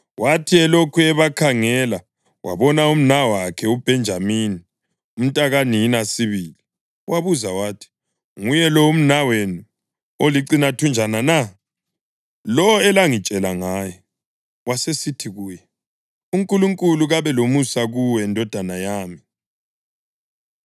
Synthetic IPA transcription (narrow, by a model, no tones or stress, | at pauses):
watʰiɛlokʰuɛβakʰaŋɛla | wa̰βɔnaum̩nawakʰɛub̥ʱɛnd͡ʒʱamini | um̩tʼaɣaninasiβiːli | waβuzawaːtʰi̥ | ŋujɛlɔum̩nawenu | oliǀinatʰund͡ʒʱanana | lɔɛlaŋit͡ʃʼɛlaŋaːjɔ | wasesitʰiɣuːjɛ | uŋkʼuluŋkʼuluɣaβɛlomusaɣuwɛndʱɔd̥ʱanajaːmi